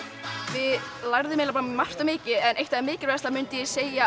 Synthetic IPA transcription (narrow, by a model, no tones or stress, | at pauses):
vɪlaɾðɪmejlap̬aɾamar̥t̪amɪːcɪɛnʔejht̪ʰaɛɾmɪːcɪɾvɛst̪amʏnt̪ɪjɛseːja